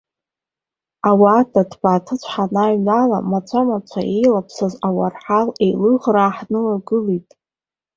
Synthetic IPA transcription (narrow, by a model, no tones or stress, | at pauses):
awaːdʰadʰbaːtʰɨt͡ɕʷʰħanaɥnala̰mat͡ɕʷʰamat͡ɕʷʰa̰ʔejlapʰsazawarħalejlɨʁraːħnɨlaɡɨlitʼ